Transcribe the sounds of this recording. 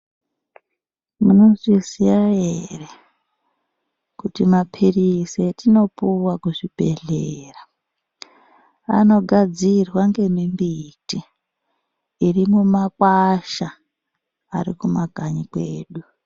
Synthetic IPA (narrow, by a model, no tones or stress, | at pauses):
munozisijajere | kutimapʰirisetino̞puwakuʐib̥ʱe̞ɮe̞ːra | a̰no̞ɡʱad͡zirwaŋɡe̞mimbiti | rimumakwaʃa | arikumaɡʱaɲikweːɗu